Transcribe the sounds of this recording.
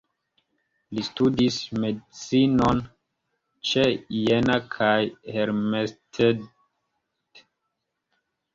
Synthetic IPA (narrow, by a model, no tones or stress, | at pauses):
listudismedit͡sinon | t͡ʃejenakʰajheɾmestʰe | d